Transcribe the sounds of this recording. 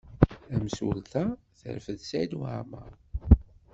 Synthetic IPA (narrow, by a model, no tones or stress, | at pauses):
æmsṵlt̪æ | θə̰ɾfəðsæjd̪wa̰ʕmæ̰